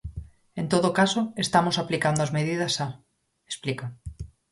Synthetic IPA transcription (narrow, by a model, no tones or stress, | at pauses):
ent̪oðokasoest̪amosaplikand̪oazmeð̞iðasa | esplika